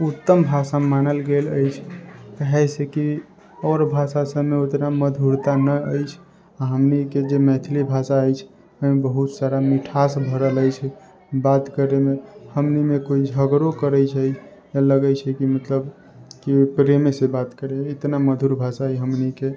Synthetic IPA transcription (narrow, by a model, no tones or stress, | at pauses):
ut̪ːəmbʱasamanəlɡeləjt͡ʃʰpəɦɛseki | ɔɾbʱasasəbmeot̪naməd̪ʱuɾt̪anəəjt͡ʃʰ | aɦəmniked͡ʒemɛ̃t̪ʰlibʱasaəjt͡ʃʰ | əmebəɦut̪saɾamiʈʰasbʱəɾələjt͡ʃʰɛ | bat̪kəɾemehəmnimekoid͡ʒʱəɡɾokəɾəjt͡ʃʰɛ | jaləɡət͡ʃʰɛkimət̪ləb | kipɾemesebat̪kəɾeɪt̪naməd̪ʱuɾbʱasaɛɦəmnike